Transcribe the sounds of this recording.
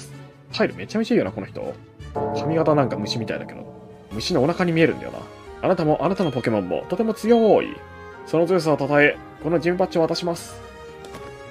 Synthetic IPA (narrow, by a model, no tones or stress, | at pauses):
haiɾɯ̟me̞t͡ɕamit͡ɕiijo̞nako̞no̞çi̥t̪o̞̰ | ɕomʲiɡat̪anãŋkamɯ̟ɕimʲit̪a̰ḭd̪a̰ke̞d̪o̞̰ | mɯ̟ɕino̞ːnakaɲ̟imʲie̞ɾɯ̟nd̪a̰jo̰na̰ | anat̪amo̞ʔanat̪ano̞po̞ke̞mõ̞mːo̰t̪o̞t̪e̞mo̞t͡sɨjõ̞ɰ̃oːʔḭ | so̞no̞zɨːs̬aot̪at̪ae̞ | ko̞no̞d͡ʑĩmpat͡ɕio̞at̪aɕimasɨ̥